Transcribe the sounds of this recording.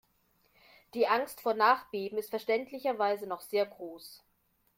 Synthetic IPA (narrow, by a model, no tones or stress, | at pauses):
d̥iːʔaŋstfoːɐnaːχb̥eːbm̩ɪstfɛɐʃtɛntʰlɪçɐvaɪzənɔχz̥eːɐɡʁoːs